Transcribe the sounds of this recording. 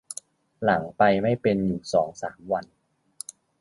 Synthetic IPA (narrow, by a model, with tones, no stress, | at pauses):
la˩˦ŋpa˧jma˥˩jpe˧njuː˨˩sɔː˩˦ŋsa̰ː˩˦mwa˧n